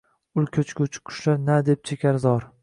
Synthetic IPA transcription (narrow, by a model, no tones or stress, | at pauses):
ʊlkʲʰɵt͡ʃkʰʲot͡ʃʰʊ̥kʰʊ̥ʃlaɾnad̪ep̚t͡ʃʰekʲʰaɾzɒɾ